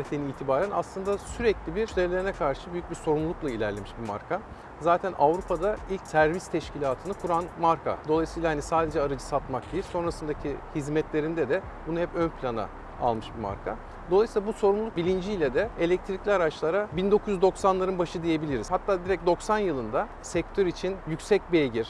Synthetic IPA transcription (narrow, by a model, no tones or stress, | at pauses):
t̪enilʲt̪ʰibaːɾæna̰slˠɯnd̪asyɾɛclʲibiɾzeɾlʲeinɛkʰaɾʃɯbyjyc̚biɾso̞ɾumllˠuklˠailʲæɾlʲemiʃbima̰ɾkʰa | zaːt̪ʰænʔa̰vɾupʰad̪ailʲcsæɾvist̪ʰɛʃcʰilʲaːt̪ʰɯnɯkʰuɾanmaɾkʰa̰d̪o̞lˠajsiːlˠahanisaːd̪e̞d͡ʒɛaɾad͡ʒɯsat̪mak̚d̪ejilʲso̞nɾasɯnd̪acʰihizmɛt̪lʲe̞ɾind̪ɛd̪ɛ | bunuhɛpønpʰlʲana̰ | a̰lˠmɯʃbima̰ɾkʰa | d̪olˠasiːlˠabuso̞ɾumlˠlˠuk̚bilʲind͡ʒijlʲɛd̪ɛelʲɛc̚t̪ʰɾiclʲiaɾat͡ʃlˠaɾabind̪o̞kʰuzjyzd̪o̞ksanlˠaɾɯnbaʃɯd̪ije̞bilʲiɾizhat̪ʰːaːd̪iɾɛc̚d̪o̞ksanjɯlˠɯnd̪a | sɛc̚t̪ʰøɾit͡ʃʰinjycsɛc̚bieɟiɾ̥